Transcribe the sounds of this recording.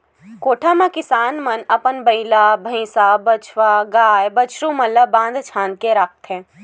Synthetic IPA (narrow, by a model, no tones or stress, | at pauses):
koːʈʰamãkɪsaːnmənɐpənbəɪlaːbʱə̃sabət͡ʃʰʋaɡaːjbət͡ʃʰɾũmələbãːnd̪ʱt͡ʃʰãːnd̪̚keɾak̚ʰt̪ɛ̃ː